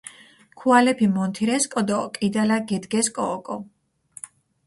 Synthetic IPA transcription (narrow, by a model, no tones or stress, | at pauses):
kʰualɛpʰimɔnt̪ʰiɾɛskʼɔd̪ɔkʼid̪alaɡɛd̪ɡɛskʼɔːkʼɔ